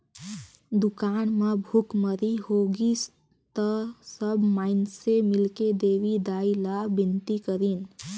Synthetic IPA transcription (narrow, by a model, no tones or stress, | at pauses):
d̪ukanmebʱukməɾihoɡis | t̪əsəbʱmaɪnsemilked̪eʋid̪ailabint̪ikəɾin